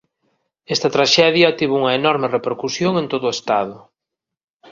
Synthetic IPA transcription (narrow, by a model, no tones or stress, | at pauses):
ɛst̪ɐt̪ɾaʃɛðjɐt̪iβuŋɐenɔɾmerepeɾkusjoŋẽnt̪oðʊest̪aðʊ